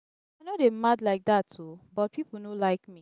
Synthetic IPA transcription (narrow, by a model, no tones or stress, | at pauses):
aaɪnodemadlaɪk̚datʰːobɔt̚pʰipl̩nolaɪkmi